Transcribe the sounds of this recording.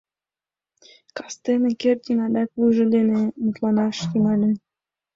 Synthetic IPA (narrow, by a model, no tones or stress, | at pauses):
kɑst̪enĕkert̪ʲinɑd̪ɑkβuʒɘ̆lʲenemut̪lˠɑnɑʃt̪ymɑlʲe